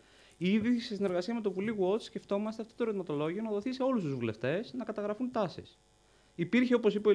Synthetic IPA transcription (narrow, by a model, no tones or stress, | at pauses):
iðisesine̞ɾɣɐsiɐme̞t̪o̞puliɣuo̞t̪sce̞ft̪o̞mɐst̪eɐft̪o̞t̪oɾt̪imɐt̪o̞lo̞ʝio̞nɐðo̞θise̞o̞lust̪uzvule̞ft̪e̞snɐkɐt̪ɐɣɾɐfunt̪ɐsḭs | ipiɾçeopo̞sipo